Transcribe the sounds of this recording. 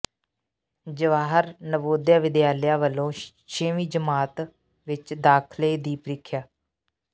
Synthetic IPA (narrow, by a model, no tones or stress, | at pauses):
d͡ʒəʋaːɦəɾnəboːd̪jaːʋɪd̪jaːljaːʋəlːõː | ʃẽːʋiːd͡ʒəmaːt̪ | ʋɪt͡ʃd̪aːkʰleːd̪iːpɾɪkʰjaː